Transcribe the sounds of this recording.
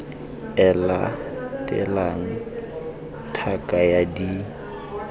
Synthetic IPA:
ɛlatʼɪ̰laŋ̩ | tʰakʼajadi

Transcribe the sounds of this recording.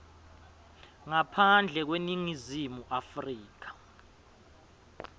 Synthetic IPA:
ŋapʰand͡ɮʱɛk̬weniŋizimuʔafriːk̬ḁ

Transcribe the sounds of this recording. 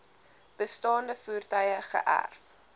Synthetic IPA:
b̥əstɑːndəfuːrtəjəχə̰ʔæ̰rf

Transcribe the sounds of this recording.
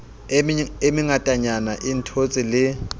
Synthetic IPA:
emiŋatʼaɲanaʔiːntʰot͡sʼilɪ

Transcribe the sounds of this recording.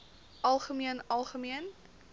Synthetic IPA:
ʔɐlˠχəmiənɐlˠχəmiən

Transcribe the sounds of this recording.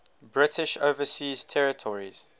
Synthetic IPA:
bɹɪtɪʃoʊvəsiːz̥tʰɛɹɪtʰɔɹḭz̥

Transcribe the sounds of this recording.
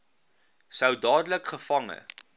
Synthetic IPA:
səwdɑːdələkχəfɐŋə̰

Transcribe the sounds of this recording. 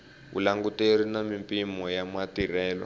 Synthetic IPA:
βṵlaŋɡuteɾ̤inamimpimɔjamatirɛːlɔ̰

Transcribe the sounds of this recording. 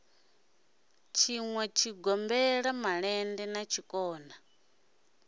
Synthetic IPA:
t͡ʃʰiŋwɛt͡ʃʰiɡɔmbɛɺamaɺɛndɛnat͡ʃʰikʼɔːna

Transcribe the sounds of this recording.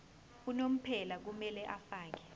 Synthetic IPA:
unom̩pʰɛlak̬umɛlɛʔafaːk̬ɛ̥

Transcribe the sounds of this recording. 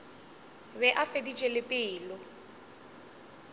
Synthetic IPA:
bɛʔafedit͡ʃʼɛlɪpʼɪːlʊ

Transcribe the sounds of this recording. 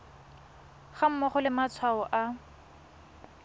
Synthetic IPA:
χam̩mɔχɔlɪmat͡sʰwaɔʔa

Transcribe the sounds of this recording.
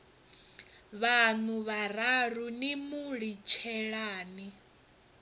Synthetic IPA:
βanuβararunimuɺit͡ʃʰɛɺaːni

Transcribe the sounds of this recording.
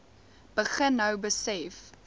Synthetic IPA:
b̥əχənːɐwbəsɛf

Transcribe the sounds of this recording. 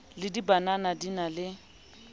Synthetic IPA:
lɪdibananadinalɪ

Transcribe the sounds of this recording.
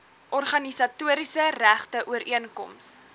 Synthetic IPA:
ʔɔrχɐnisɐtuəɾisəræχtəʔuəɾiənkɔ̰ms

